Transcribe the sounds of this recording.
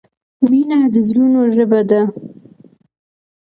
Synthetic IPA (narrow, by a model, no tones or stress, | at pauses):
minad̪əzɾunoʒəbad̪a